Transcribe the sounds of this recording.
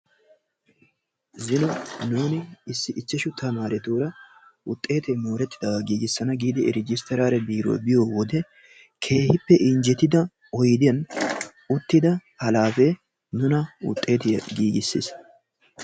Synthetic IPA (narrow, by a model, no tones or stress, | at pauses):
zɪnɔnuːnɪɪsːɪʔɪt͡ʃːɛʃʊt̪ʰːɐmaːɾɛt̪uːɾɐʊt̪ʼːe̞ːt̪ɛmo̞ːɾɛt̪ːɪd̪ɐɐɡiːɡɪsːɐnɐɡiːd̪ɪɛɾɪd͡ʒɪst̪ːɛɾaːɾɛbiːɾo̰ːbɪjoːwɔd̪ɛ | kʰe̞ːhɪpːɛʔɪɲd͡ʒɛt̪ːɪd̪ɐ | ɔjɪd̪ɪjɐn | ʊt̪ːɪd̪ɐhɐlaːfeː | nːʊnɐʊ̰t̪ʼːe̞ːt̪ɪjɐɡiːɡɪsːɪ̰s